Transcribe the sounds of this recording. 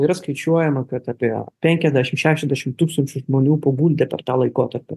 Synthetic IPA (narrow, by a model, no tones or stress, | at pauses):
iːɾɐskɐɪt͡ʃʲuɔjɛmɐkɐt̪ɑːpʲiɛpʲɛŋʲkʲɛzʲd̪ʲæʃʲɪmʃʲæːʃʲɛzʲd̪ʲæːʃʲɪmt̪uːkst̪ɐnʲt͡ʃʲʊʒmoːnʲuːpoːɡuːlʲd̪ʲɛpʲɛ̰ɾt̪ɑːlˠɐɪkoːt̪ɐɾʲpʲɪ